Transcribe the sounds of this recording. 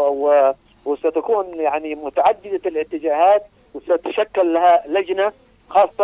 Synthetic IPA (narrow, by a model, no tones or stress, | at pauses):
w | wɪsat̪akuːnjaʕnimʊt̪aʕad̪ːɪd̪aɪlɪʕt̪ːɪd͡ʒaːhaːt̪ | wsat̪ʃakːalːahalad͡ʒna | xɑːsˤːɑ